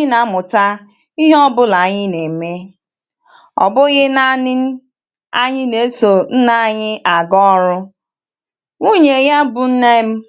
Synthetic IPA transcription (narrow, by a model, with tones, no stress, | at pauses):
na˨˦mʊ˨ta˦ | i˦ɦɔ˦bʊ˦la˨˦ɲɪ˦ne˨me˦ | ɔ̰˨bʊ˦ɣɪ˦na˦nɪ˦n̩˦ | a̰˦ɲɪ˦ne˨˦so˨n̩˦na˦ɲɪ˦ʔa˨ɡɔ˦ɾʊ˦ | ŋo˦ɲe˨ɣa˦bʊ˨n̩˦ne˦m̩˦